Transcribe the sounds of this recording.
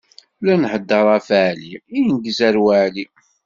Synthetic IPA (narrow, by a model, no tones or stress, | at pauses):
lænħəd̪ːɑɾˤæfaʕliijnɡəzæɾwaʕli